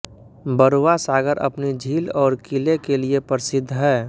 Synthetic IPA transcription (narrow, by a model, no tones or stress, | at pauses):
bəɾwasaːɡəɾʔə̰pnid͡ʒʱiːlɔːɾkilekeliepəɾɪsɪd̪ʱːɦɛː